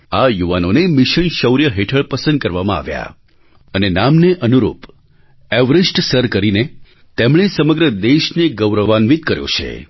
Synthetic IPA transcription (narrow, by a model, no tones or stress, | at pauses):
ajuʋanonemɪʃənʃəwɾjəɦeʈʰəɭpəsə̃nd̪̚kəɾʋamãa̰ʋja̰ | ənenamneʔənuɾṵp | ɛʋɾɪsʈsəɾkəɾine | t̪emɭ̃esəməɡɾəd̪eʃneɡəwɾəʋanʋit̪kəɾjo̰t͡ʃʰḛ